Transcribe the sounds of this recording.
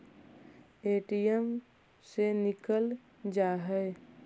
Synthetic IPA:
eʈijəm | senikəl | d͡ʒaɦɛ

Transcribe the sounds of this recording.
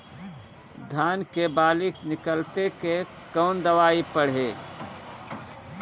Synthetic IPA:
d̪ʱaːnkebaːlɪknɪkəlt̪eke | kɔːnd̪əʋaːipəɽ̤eː

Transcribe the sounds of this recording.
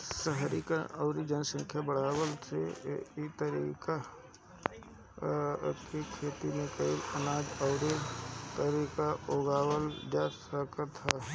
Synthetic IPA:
səɦɾika̰ʔəʊɾid͡ʒənsə̃ŋkʰjabəɽ̤aːwəltʰḛit̪əɾiːka | kekʰeːt̪inẽkəɦilənaːd͡ʒəʊɾet̪əɾiːkaoːɡaːwəld͡ʒasəkəɾt̪ʰa

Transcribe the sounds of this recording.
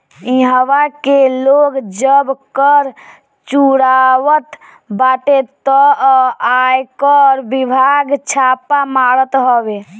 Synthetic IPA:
iɦəwakeloɡd͡ʒəbkəɾ | t͡ʃuɽawət̪ | baʈet̪ɔajkəɾbibʱaɡt͡ʃʰapamaɾət̪ɦəbe

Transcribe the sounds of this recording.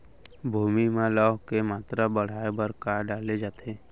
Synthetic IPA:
bʱuːmimãlɔːɦkemaːt̪ɾabəɽ̤aːebəɾkaːɾɖaːled͡ʒaːt̪ʰeː

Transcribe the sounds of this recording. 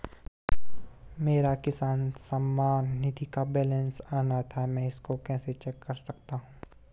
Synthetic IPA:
meːɾakɪsaːnsɐmːaːnːɪd̪ʱikabɛːlɛ̃nsaːnat̪ʰamɛ̃ːɪskokɛ̃ːset͡ʃɛːkːɐɾsɐk̚t̪aɦũː

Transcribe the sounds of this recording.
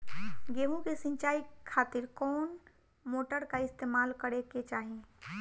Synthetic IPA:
ɡeːɦũkesɪ̃ɲt͡ʃaːikʰaːt̪ɪɾkɔːn | moːʈəɾkaɪst̪eːmaːlkəɽeket͡ʃaːɦiẽ

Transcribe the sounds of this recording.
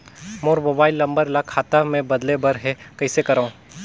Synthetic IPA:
moːɾmoːbaːɪlːɐ̃mbəɾlakʰaːt̪amẽbɐd̪lebɐɾɦɛkɐɪsekɐɾaũː

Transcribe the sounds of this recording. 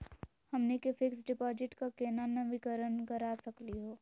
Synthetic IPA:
hɐmnekefʰɪksɖɪpɔːd͡ʒɪʈkakeːnanɐʋɪkəɾənkɐɾasɐkliɦoː

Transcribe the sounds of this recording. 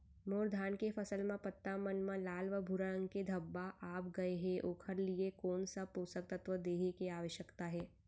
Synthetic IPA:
moːɾd̪ʱaːnkefʰɐsəlmẽpɐt̪ːamɐnmẽlaːlʋəbʱʊɾəɽə̃ŋɡked̪ʱɐbːaʔaːpɡɐeɦɛʔoːkʰəɾliekɔːnsapoːsək̚t̪ɐt̪ʋəd̪eːɦekeaːʋəʃjəkt̪aɦɛː

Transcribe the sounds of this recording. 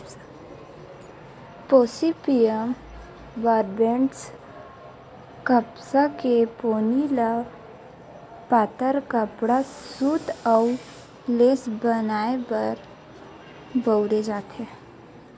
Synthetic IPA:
poːsipijəm | baːɾbẽɳʈs | kəpsakepoːnila | paːt̪əɾkəpɽasuːt̪əʊ | leːsbənaːebəɾ | bəʊɾed͡ʒaːt̪e

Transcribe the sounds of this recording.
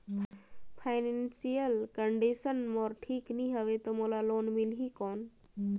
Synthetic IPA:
pʰaɪnensijəlkəɳɖisənmɔɾʈʰiːkniɦəʋet̪omolaloːnmilɦikɔːn

